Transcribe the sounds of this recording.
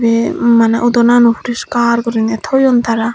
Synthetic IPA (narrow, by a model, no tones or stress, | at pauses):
bemaneʔud̪ɔnanupuɾiʃkaɾkɔɾinet̪ʰojont̪ʰaɾa